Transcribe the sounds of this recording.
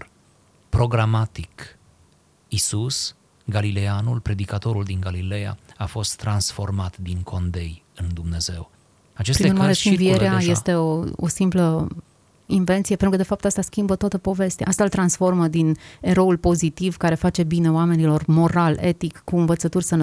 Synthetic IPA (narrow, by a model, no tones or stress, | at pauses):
pɾo̞ɡɾamat̪ik | isus | ɡalileanulpɾe̞d̪ikat̪o̞ɾuld̪iŋɡalileja̰afo̞st̪ːɾansfo̞rmat̪d̪iŋkʰo̞nd̪e̞jɨnd̪umne̞ze̞̰w | at͡ʃespɾinnuɾmaɾefinvieɾeaje̞st̪e̞oo̰simplə | inve̞nt̪sijepenɾukəd̪efap̚t̪ast̪askʲimbət̪oat̪əpo̞ve̞st̪eaʔast̪aɨlt̪ɾansfo̞rməd̪ine̞ɾo̞ulpo̞zit̪ivkaɾe̞fat͡ʃe̞bine̞oame̞nilo̞rmo̞ɾale̞t̪ikkuɨnvət̪sət̪urʲsənə